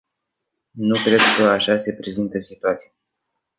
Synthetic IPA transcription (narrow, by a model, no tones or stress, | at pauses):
nukɾe̞d̪kəaʃase̞pɾe̞zint̪əsit̪uat̪sija